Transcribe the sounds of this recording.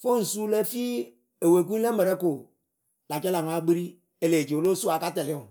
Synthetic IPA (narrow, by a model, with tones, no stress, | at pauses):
fo˦n̩˨su˦lɛ˦fi˦ | e˨we˨k̬u˦lɛ˦mɛ˨ɾɛ˦ko˨ | la˨t͡ʃɛ˦la˨ŋ˨a˦ɡ͡bi˦ɾi˦ | e˨le˨d͡ʒe˨o˨lo˦su˦a˨ka˦tɛ˨li˦ũ˨